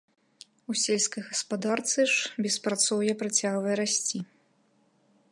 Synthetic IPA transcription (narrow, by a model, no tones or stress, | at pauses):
usʲelʲskɐjɣɐspad̪art̪sɨʂbʲɛspɾat̪sɔwjɛpɾat͡sʲaɣvɐjɛɾasʲt͡sʲi